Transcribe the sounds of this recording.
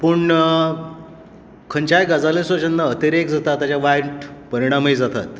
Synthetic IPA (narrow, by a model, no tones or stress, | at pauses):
pəɳ | kʰəɲt͡ɕajɡad͡zalesʋət͡ɕənːaət̪eɾekd͡zat̪at̪ːat͡ɕjaʋajɳʈpəɾiɽ̃amejd͡zat̪a̰t̪